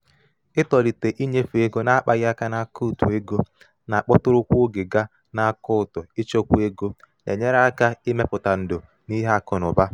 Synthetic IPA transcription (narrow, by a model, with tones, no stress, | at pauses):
ɪ˦tɔ˨ɾi˨te˨ʔi˦ɲe˦fu˨e˦ɡo˦na˦a˦k͡pa˦ɣɪ˦a˦ka˦na˦˨ku˦˨tṵ˨e˦ɡo˦ | na˨k͡pɔ˦tʊ˦ɾʊ˦kʷo˦ɡe˨ɡa˦ | na˨a˦˨kʊ˦ʊ˨tʊ˨ɪ˦t͡ʃo˦kʷu˦e˦ɡo˦nḛ˨ɲe˦ɾa˦a˦ka˦ɪ˦me˦pʊ˨ta˨n̩˨dʊ˨ | ni˦ɦkʊ˨nʊ˨ba˦